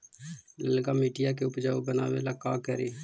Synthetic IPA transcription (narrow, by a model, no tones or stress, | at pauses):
ləlɡamɪʈɪjakeʊpd͡ʒaːobənaːwelakaːkəɾeː